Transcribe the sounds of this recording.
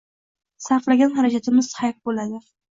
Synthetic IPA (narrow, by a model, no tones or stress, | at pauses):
saɾqlˠaɡʲanχɑɾad͡ʒat̪ʰɪmɪz̥hajq̚bolad̪ɪ